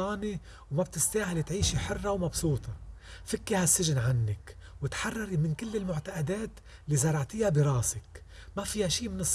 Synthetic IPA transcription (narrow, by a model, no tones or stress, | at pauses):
ɑːni | wmab̚t̪ɪst̪aːhɪlit̪ʕiːʃiħɪrˤːɑwmɑbsuːt̪ˤɑfɪkːihasːɪʒɪnʕanːɪk | wɪt̪ħɑrˤːɑɾimɪnkɪlːɪlmʊʕt̪aʔad̪eːt̪ | lːiːzɑɾˤɑʕt̪ɪjːabiɾˤɑːsɪk | mafiːhaʃiːmɪnɨsˤ